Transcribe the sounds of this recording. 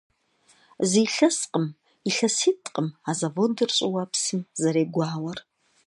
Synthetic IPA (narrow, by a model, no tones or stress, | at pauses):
ziːɬɐsqʼəm | iɬɐsitʰʼqʼəmaːzɐvodɨrɕʼɪwɐpsɨmzɐɾeːɡʷaːwɐr